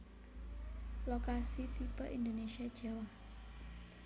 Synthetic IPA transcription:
lokasit̪ipə̰ʔind̪onesiad̥ʒ̥awah

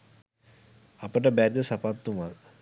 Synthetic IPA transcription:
apəʈəbæɾid̪əsapat̪ːumal

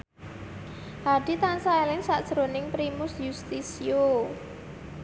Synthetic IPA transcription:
haɖ̥i̤t̪ansaelɪŋsaʔd̥ʒ̥əɾonɪŋpɾimʊsjust̪isio

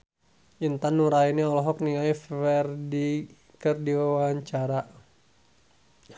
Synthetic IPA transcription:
ʔint̪anːuɾainaɔlɔɦɔk̚niŋajfɛrdi | kərdiwawaɲt͡ʃaɾa

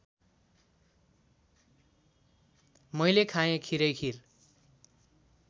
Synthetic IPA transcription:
mʌjlekʰajẽkʰiɾʌjkʰir

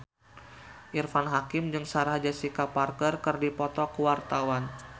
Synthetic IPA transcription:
ʔirfanɦakɪmd͡ʒɨŋsaɾaɦd͡ʒasikaparknərkərdipɔt̪ɔkəwart̪awan

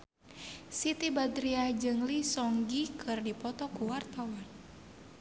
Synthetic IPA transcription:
sit̪ibad̪ɾiahd͡ʒɨŋlisɔŋɡikʰɨrdipɔt̪ɔkuwart̪awan

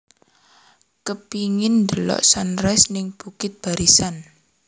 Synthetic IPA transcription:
kəpiŋɪnd̪əlɔ̰ʔsanɾɛsnɪŋb̥ṳkɪt̪̚b̥a̤ɾisan

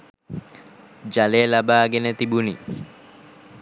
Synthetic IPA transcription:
d͡ʒaleəlabaːɡenət̪ibuni

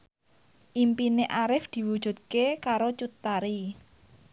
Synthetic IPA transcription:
ʔimpineʔaɾɪfd̪̥i̤wud̥ʒ̥ṳt̪̚kekaɾot͡ʃut̪aɾi

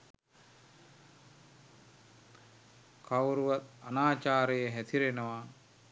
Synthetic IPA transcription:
kawɾuʋat̪anaːt͡ʃaːɾəjəɦæt̪iɾenəʋa

